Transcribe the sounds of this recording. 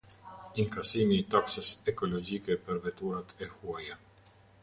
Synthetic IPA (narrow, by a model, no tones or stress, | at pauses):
iŋkasimiːt̪aksəsɛkɔlɔd͡ʑikɛpəɾvɛt̪uɾat̪ɛhuaja